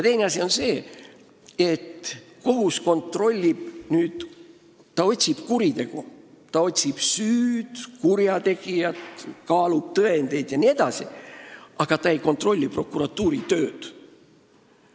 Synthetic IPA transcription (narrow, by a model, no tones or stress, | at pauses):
jɑt̪e̞jneɑsio̞nse̞ː | et̪ːko̞ɦusko̞nt̪ro̞lʲːib̥nyːd̪̥ | t̪ːɑo̞t̪ʲsib̥kuɾit̪e̞ɡ̥u | t̪ɑo̞t̪ʲsib̥syːd̪̥kuɾjɑt̪e̞ɡ̥ijɑt̪kɑːlub̥̚t̪ɤe̞nd̪̥e̞jd̪̥jɑnie̞d̪̥ɑsiʔɑɡ̥ɑt̪ɑe̞jko̞nt̪ːˑro̞lʲːipro̞kːuɾɑt̪ːˑuːɾit̪ø̞ːd̪̥